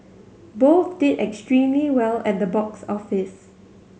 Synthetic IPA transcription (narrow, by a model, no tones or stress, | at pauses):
boθdɪdɛkstɹĩmliwɛlɛt̚dəbɔksɔfɪs